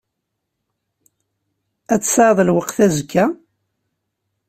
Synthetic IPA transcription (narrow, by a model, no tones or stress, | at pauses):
æt͡sːsʕðˤəlwəqθæzkʰːæ